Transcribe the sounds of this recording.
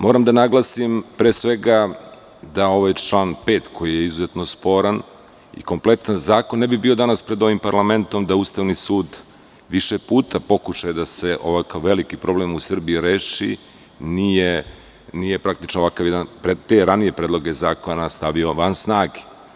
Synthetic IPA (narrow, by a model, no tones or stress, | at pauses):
mo̞ːɾamd̪anaɡlˠasimpɾeːsʋe̞ɡa | d̪ao̞ʋajt͡ʃlˠaːnpe̞ːt̪kʰo̞jijeizuze̞t̪no̞spo̞ɾan | ḭko̞mple̞t̪anzaːkonːebibiod̪anaspɾe̞d̪o̞ʋimpaɾlˠame̞nt̪o̞md̪auːst̪aʋnisuːd̪ | ʋiʃepuːt̪ʰapo̞kuʃajed̪ase̞ʔo̞ʋakaʋːe̞likipɾo̞ble̞musr̩biiɾeːʃi | nije | nije̞pɾak̚t̪i̥t͡ʃnoʋakaʋjed̪anpɾet̪e̞ɾanije̞pɾeːd̪lˠo̞ɡezaːkonnast̪aʋio̞ʋansnaːɡe̥